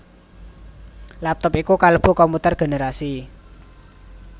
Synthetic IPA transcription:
lap̚t̪ɔpikukaləb̥ṳkɔmput̪ərɡ̥e̤neɾasi

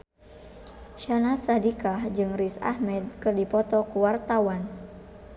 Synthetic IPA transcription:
ʃanasadikahd͡ʒɨŋrisa̰hmɛd̪̚kɨrdipɔt̪ɔkuwart̪awan

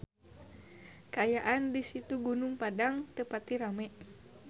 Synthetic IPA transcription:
kaajaʔandisit̪uɡunuŋpadaŋt̪əpat̪iɾamɛʔ

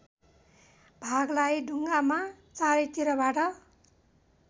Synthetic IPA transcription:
bʱaɡlajɖʱuŋɡamat͡saɾit̪iɾʌbaʈʌ

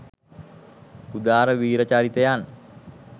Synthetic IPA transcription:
ud̪aːɾəʋiːɾət͡ʃaɾit̪ejan

